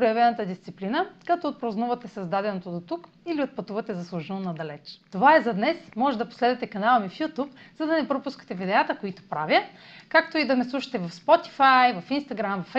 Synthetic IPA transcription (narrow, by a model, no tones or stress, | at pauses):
pɾojɐvɛnət̪əd̪ist̪siplinəkat̪oːt̪̚pɾoznuvɐt̪ɛsɐzd̪ad̪ɛnot̪od̪ot̪uk | iliot̪̚pɐt̪uvɐt̪ɛzɐslˠuʒɛnonɐd̪ɐlɛt͡ʃt̪ovaɛzɐd̪nɛsmɔʒɛd̪ɐposlɛd̪ɛt̪ɛkɐnalˠəmifjut̪up | zɐd̪ɐnɛpɾopuskə̥t̪ɛvid̪ɛat̪əkoit̪o̥pɾavjə | kakt̪oid̪ɐmɛslˠuʃɐ̥t̪ɛvɐfspɔt̪i̥fajvɐfinst̪ɐɡɾamvɐf